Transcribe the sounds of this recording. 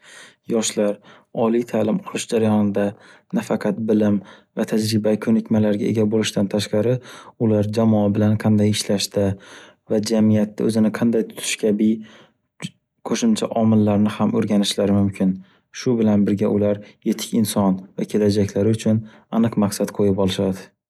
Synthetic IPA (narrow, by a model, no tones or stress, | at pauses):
jɒʃlaɾ | ɒlˠijt̪ʰalɪmqʰʊlˠɪʃd͡ʒaɾajɒnɪd̪anafɑqʰɑt̪̚bɪlɪmvat̪ʰad͡ʒɾɪbakʲʰɵnɪkʲmalaɾɡʲae̞̰ɡʲabolɪʃt̪ʰant̪ʰaʃqɑɾɪʊlaɾd͡ʒamɒabɪlanqʰɑnd̪ajɪʃlaʃt̪a | vad͡ʒamijat̪ʰːaɵzɪnɪqʰɑnd̪ajt̪ʰʊ̥t̪ʰɪ̥ʃkʲʰabɪ | kʰoʃʊmt͡ʃʰaʔɒmɪlːaɾnɪhamɵɾɡʲanɪʃlaɾɪmʊmkʲʰɪn | ʃʊbɪlanbɪɾɡʲaʔʊlaɾje̞t̪ʰɪ̥kʲɪnsɒnvakʲʰe̞lad͡ʒakʲlaɾɪʊt͡ʃʰʊn | anɨqmaqsat̪qʰojɪpɒlˠɪʃad̪ɪ